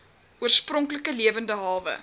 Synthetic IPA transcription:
uərsprɔŋkləkəliəvəndəɦɑlˠvə̰

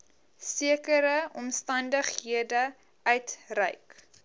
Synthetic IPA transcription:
siəkəɾəɔmstɐndəχɦiədə | ʔœɥtrə̰jk

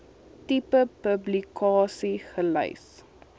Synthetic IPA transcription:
tipəpəblikɑːsiχələ̰js

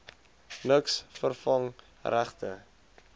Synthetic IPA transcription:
nəksfərfɐŋ | ræχtə

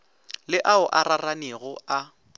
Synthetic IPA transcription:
lɪʔaʊʔararaneɣʊa

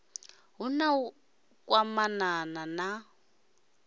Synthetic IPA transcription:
ɦunau | kʼwamananana

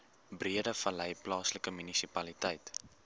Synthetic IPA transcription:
briədəfəlɛjplɑːsləkəmynisipɐlitɛjt

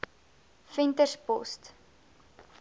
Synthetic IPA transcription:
fɛntəspɔst

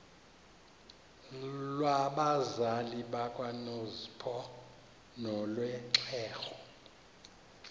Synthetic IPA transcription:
lwaɓazaliɓakʼwanozipʰɔ | nɔlwɛǀʰɛːxɔ

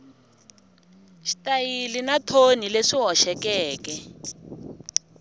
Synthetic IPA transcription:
ʃi̥tajilinatʰonileʂiɦɔʃɛkɛːkɛ

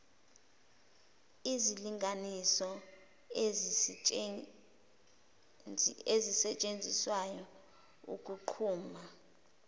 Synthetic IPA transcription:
iziliŋɡʱanisɔ | ezisɛt͡ʃʼend͡zʱiswajɔ | ṵkʼuǃʰuːma

